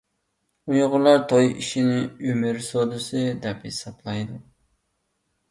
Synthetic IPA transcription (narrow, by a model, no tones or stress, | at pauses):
ujʁʊlˠɑɾt̪ʰojḭʃinɪymɪɾsod̪ɨsɨd̪ɛphesɑblˠɑjd̪u